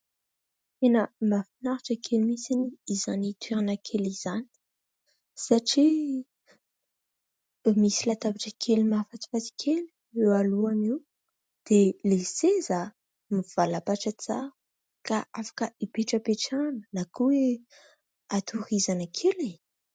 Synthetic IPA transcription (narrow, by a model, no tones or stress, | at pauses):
t̪enəmbafinaɾaʈ͡ʂəkʰelimisiniizanit̪weɾanakʰelizani̥ | saʈ͡ʂi | misilat̪abaʈ͡ʂəkʰelumafat͡si̥fat̪i̥kʰelu̥ | ewaluamiu | d̪̥eleseza | miv̥alapaʈ͡ʂət͡sa | kaafḁkəipeʈ͡ʂəpeʈ͡ʂanənakuwe | at̪ʰuɾizanakʰeli